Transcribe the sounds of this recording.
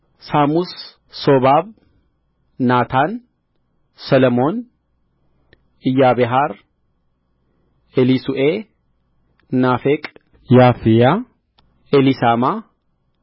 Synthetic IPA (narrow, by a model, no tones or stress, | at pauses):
saːmʊs | sobaːb | naːt̪aːn | sɐlɐmoːn | ɪjaːbɛɦaːɾ | ɛlisʊʔe | naːfekʼ | jaːfɪja | ɛlɪsaːmaː